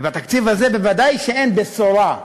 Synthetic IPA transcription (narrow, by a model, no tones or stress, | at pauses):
bat̪akt͡sivazebevad̪ajʃeenbesoɾa